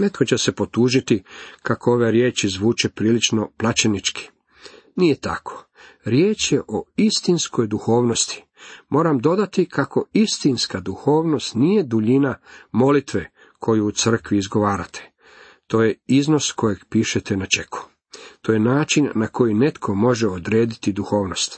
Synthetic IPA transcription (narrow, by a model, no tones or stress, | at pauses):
ne̞t̪kot͡ɕese̞po̞t̪uːʒit̪ikakʰooʋe̞ɾjeːt͡ʃizʋuːt͡ʃe̞pɾiːlit͡ʃno̞plat͡ʃenit͡ʃki̥ | nijet̪a̰kʰo̞̥ | ɾjeːt͡ʃjeʔoist̪insko̞jd̪uxo̞ːʋno̞st̪i̥ | mo̞ːɾamd̪o̞d̪at̪ikʰako̞ist̪inskad̪uxo̞ːʋno̞st̪nije̞d̪uʎinamo̞lit̪ʋe̞ | kʰo̞juːt̪sr̩kʋiːzɡo̞ʋaːɾat̪ʰe̥ | t̪o̞ːjeizno̞sko̞jeɡpiːʃet̪enat͡ʃe̞kʰu̥ | t̪o̞jenaːt͡ʃinːako̞jine̞t̪kʰo̞mo̞ʒeod̪ɾe̞ːd̪it̪id̪uxo̞ːʋno̞st̪